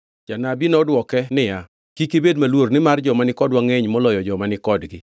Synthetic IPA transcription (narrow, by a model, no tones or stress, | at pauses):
d͡ʒanabinɔdwɔkɛnɪja | kikibedmalwornɪmard͡ʒɔmanɪkɔdwaŋeɲmɔlɔjɔd͡ʒɔmanɪkɔdɡɪ